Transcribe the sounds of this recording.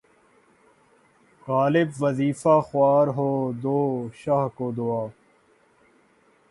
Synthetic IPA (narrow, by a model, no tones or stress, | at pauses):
ɣaːlɪbʋəziːfaːxʊaːɾɦoːd̪oːʃaɦkoːd̪oaː